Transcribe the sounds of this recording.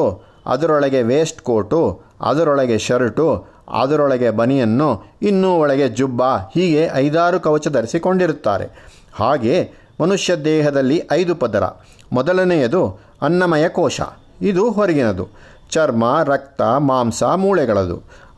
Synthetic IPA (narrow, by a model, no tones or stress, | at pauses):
ɐ̰d̪ɐɾɔɭɐɡe̞ʋeːsʈkoːɾʈu | ɐ̰d̪ɐɾɔɭɐɡe̞ʃɐɾiʈu | ɐ̰d̪ɐɾɔɭɐɡe̞bɐnijɐnːuinːuːɔɭɐɡe̞d͡ʒubːahiːɡe̞ʔɐjd̪aːɾukɐʋɐt͡ʃɐd̪ɐɾisiko̞ɳɖiɾut̪ːa̰ːɾe̞̰ | haːɡe̞ː | mɐnuʂjɐd̪ɛːɦɐd̪ɐlːiʔɐjd̪upɐd̪ɐɾɐ̰ | mɔd̪ɐlɐnɛjɐd̪u | ɐnːɐmɐjɐkɔːʃɐ̰ | id̪uɦoɾiɡinɐd̪ṵ | t͡ʃɐɾmɐɾɐk̚t̪ɐmaːmsɐmuːɭɛɡɐɭɐd̪ṵ